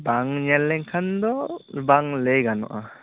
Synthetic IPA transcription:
baŋɲɛlːɛŋkʰand̪ɔbaŋlejɡanɔ̰ʔa

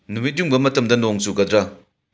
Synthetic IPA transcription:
numit̬̚juŋbɐmɐtɐmdɐnoŋsuɡɐd̪ɾɐ

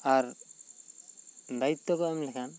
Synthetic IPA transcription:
aɾ | d̪ait̪ːɔkɔɛmlɛkʰan

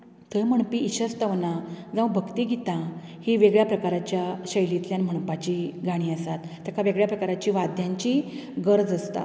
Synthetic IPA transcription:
t̪əjm̤əɳ̃piːɕəst̪əʋnad͡zãʋbʱəkt̪iːɡit̪ã | hiːʋeɡɭjapɾəkaɾat͡ɕjaɕəjlit̪ljanm̤əɳ̃pat͡ɕiːɡʱaɽ̃iːəsat̪ːjakʰaʋeɡɭjapɾəkaɾat͡ɕiːʋad̪ʱjãɲt͡ɕiɡəɾd͡zəst̪a̰

